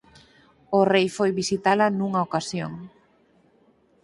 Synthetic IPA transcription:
ʊrejfojβisit̪alanuŋaokasjoŋ

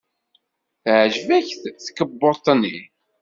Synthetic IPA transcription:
θʕʒvæçθθkːəbːot̪ːənːi

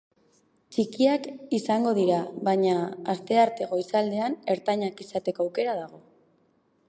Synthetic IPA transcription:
t͡ʃikiakisaŋɡo̞ð̞iɾaβaɲaːst̪e̞aɾt̪e̞ɣo̞isald̪e̞ane̞ɾt̪aɲakisat̪e̞ko̞awke̞ɾaðaɣ̞o̞

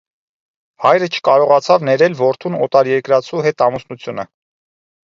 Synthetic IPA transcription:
hɑjɾət͡ʃʰə̥kɑɾɔʁɑt͡sʰɑvnɛɾɛlvɔɾt̪ʰunɔt̪ɑɾjɛɾkɾɑt͡sʰuɦɛt̪ɑmusnut͡sʰjunə

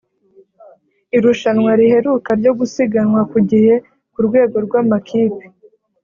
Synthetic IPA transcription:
iɾuʃanwaɾihe̞ɾuːkaɾɟo̞ɡusiɡanŋwakuɟihe̞ | kuɾɡwe̞ːɡo̞ɾɡwaːmakʰiːpe̥

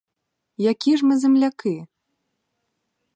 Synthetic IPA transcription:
jakʲiʐmɨzʲɛmlʲakɨ

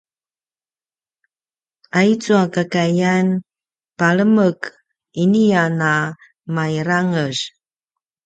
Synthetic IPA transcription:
ait͡suakakajan | paɭəmək | iniana | maiɾaŋəz

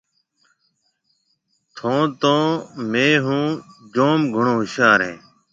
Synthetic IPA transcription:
t̪ʰõːt̪õːmeːɦũːd͡ʒoːmɡʱʊɳoːɦɪʃaːɾɦḛ̃ː

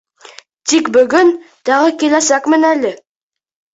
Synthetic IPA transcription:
t̪ʰikbɵɡʲɵn | t̪ɑʁəkʲelæsækmɘnælɪ

